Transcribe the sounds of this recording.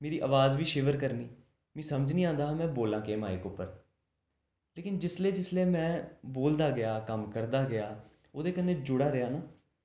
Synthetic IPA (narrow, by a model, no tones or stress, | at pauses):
meːɾiːʔəːʋaːzʋiːʃeːʋəɾkəɾniː | mɛ̃ːsəməd͡ʒnĩːãːnd̪aːɦːmɛ̃ːboːlãːkeːma̰ːḛːkʊpːəɾ | leːkɪnd͡ʒɪsleːd͡ʒɪsleːmɛ̃ːboːld̪aːɡɪaːkəmkəɾd̪aːɡɪaː | oːd̪eːkənːẽːd͡ʒʊɽaːɾejaːnaː